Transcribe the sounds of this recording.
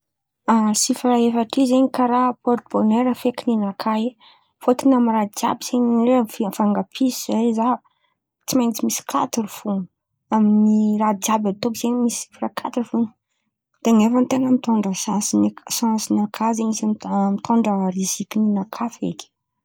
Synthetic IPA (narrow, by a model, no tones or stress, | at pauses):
asifɾaefaʈ͡ʂizeɲikaɾapɔɾt̪boneɾəfekininakʰaj | fot̪inamiɾad͡ʒa̰biz̥eɲeffaŋɡapʰisizajza | t͡simajnt͡simisi̥kʰa̰t̪iɾufun | aminirad͡ʒabat̪okzeɲmisii̥frakʰat̪uɾufun | d̪̥eaŋefənt̪eŋəmit̪oɳɖ͡ʐəsasinsãnsinakʰazeɲisammit̪ʰoɳɖ͡ʐərizikininakʰafḛkʲi̥